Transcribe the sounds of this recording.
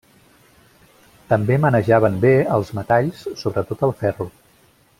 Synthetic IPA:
t̪əmbemənəʒaβ̞əmbeəlˠzmət̪aʎssoβɾət̪ot̪əlˠfɛru

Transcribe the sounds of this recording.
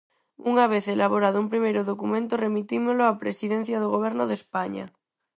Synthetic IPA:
uŋaβ̞eθelaβ̞oɾaðoumpɾimejɾoðokumẽnt̪oremit̪imoloapɾesiðen̟θjaðoɣoβ̞eɾnoðespaɲa̰

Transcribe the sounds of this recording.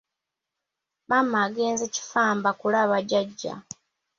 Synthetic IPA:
maːmaːɡe̞ːnzeci̥faːmbakulaːβaɟaɟːa̰

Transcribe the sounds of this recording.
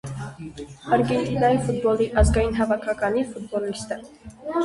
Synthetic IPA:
ɑɾɡɛnt̪inɑjifut̪̚bɔliʔɑzɡɑjinɦɑvɑkʰɑkɑnifut̪̚bɔlist̪ə

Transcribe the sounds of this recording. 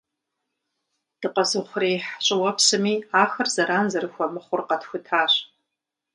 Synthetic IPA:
d̥ɨqazɨχʷrejħt͡ʃʷʼɨwɐpʰsɨmiaxɐrzaɾanzɐrɨxʷamɨχʷʊrqʼɐtxʷʊtʰaːɕʷ

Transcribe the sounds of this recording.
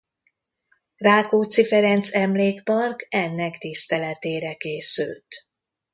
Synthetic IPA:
raːkoːt̪sifɛɾɛnt̪sɛmleːkpɒrkɛnːɛkt̪ist̪ɛlɛt̪eːɾɛkeːsy̰lt̪

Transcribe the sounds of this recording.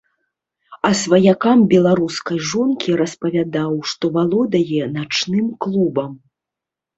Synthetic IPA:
ɐsvɐjakambʲɛlˠaɾuskɐjʐɔnkʲiɾɐspɐvʲad̪awʂt̪ɔvalˠɔd̪ɐjɛnat͡ʂnɨmklˠubɐm

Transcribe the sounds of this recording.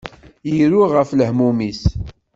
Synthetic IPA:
jiɾuʁəfləhmumis

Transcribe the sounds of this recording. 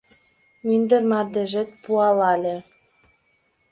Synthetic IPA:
mynd̪ə̆rmɑrd̪ĕʒĕt̪̚puɑlɑlʲĕ

